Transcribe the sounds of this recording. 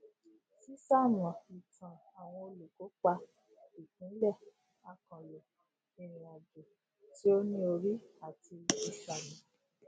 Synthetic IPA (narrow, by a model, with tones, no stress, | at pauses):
si˦sa˦˨m˨ã˨i˨tʰã˨ | a˨w̃ɔ̃˧o˧lu˨ko˨˦k͡pa˧ | i˨kũ˨˦lɛ˦˨ | a˧˨kã˨lo˨ | i˨ɾ̃ĩ˨a˨d͡ʒo˨ | ti˨˦o˦nĩ˦o˧ɾi˦a˦˨ti˧i˦sa˨mĩ˨